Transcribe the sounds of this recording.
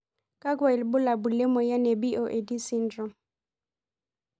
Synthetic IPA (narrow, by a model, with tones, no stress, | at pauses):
ka˦ɡwa˨i˨lbʊ˦la˨bu˨lɛ˦mɔ˨ja˦nɛ˨bi˦ʔo˨ʔe˨di˦si˦n˦d͡ʒɔ˨˦